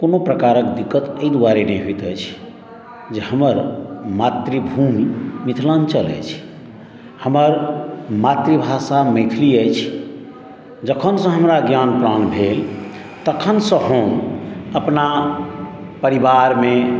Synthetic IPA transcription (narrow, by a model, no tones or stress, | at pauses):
konopɾəkaɾəkd̪ikːət̪əid̪uwaɾenəjɦoit̪ət͡ʃʰ | d͡ʒehəməɾmat̪ɾebʱumːit̪ʰlant͡ʃələ̰jt͡ʃʰ | həməɾmat̪ɾibʱasamət̪ʰliəjt͡ʃʰ | d͡ʒəkʰənsə̃ɦəmɾaɡjanpɾanbʱel | t̪əkʰənsə̃ɦoməpna | pəɾibaɾme